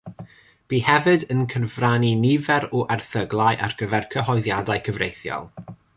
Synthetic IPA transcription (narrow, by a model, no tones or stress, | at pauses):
b̥iːhɛvɨdənkʰənvraninɪvɛɾɔʔarθəɡlˠajʔa̰rɡəvɛrkʰəɦɔjðjadajkʰəvrejθjɔ̰lˠ